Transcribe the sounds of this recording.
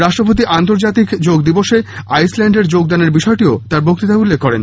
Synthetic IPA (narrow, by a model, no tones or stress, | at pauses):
ɾaʃʈɾopot̪̬iʔant̪oɾd͡ʑat̪ikd͡ʑoɡd̪iboʃe | ajslɛɳɖeɾd͡ʑoɡd̪aneɾbiʃɔeʈiot̪aɾbok̚t̪it̪aulːekʰːɔɾḛn